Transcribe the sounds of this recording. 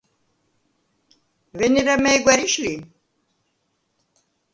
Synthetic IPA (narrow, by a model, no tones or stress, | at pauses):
veniɾamɛjɡʷaɾiʃli